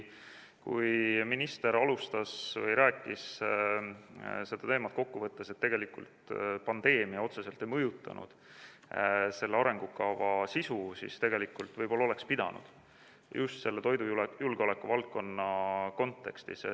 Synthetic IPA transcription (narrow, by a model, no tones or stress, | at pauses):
kṵjminist̪e̞ɾɑlust̪ɑsvɤjɾæːkːˑis | se̞d̪̥ɑt̪eːmɑt̪̚ko̞kːuvɤt̪ːese̞t̪ːe̞ɡ̥e̞likult̪pɑnd̪̥e̞ːmiɑo̞t̪se̞se̞lt̪ˑe̞jmɤjut̪ːˑɑ̰nṵd̪̥ | se̞lːeɑɾe̞ŋɡ̥ukɑvɑsisusḭst̪e̞ɡ̥e̞likːult̪vɤjboːole̞kspid̪̥ɑ̰nṵd̪̥ | just̪se̞lːet̪o̞jd̪uujulɡ̥eo̞le̞kːuvɑlt̪̚ko̞nːɑko̞nt̪ːe̞̰kst̪ḭs